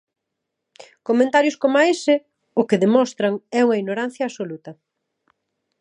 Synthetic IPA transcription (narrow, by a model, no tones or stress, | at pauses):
komẽnt̪aɾjʊskomaesɪ | ʊkeðemɔst̪ɾɐŋɛuŋɐiɲoɾan̟θjɐːsolut̪ɐ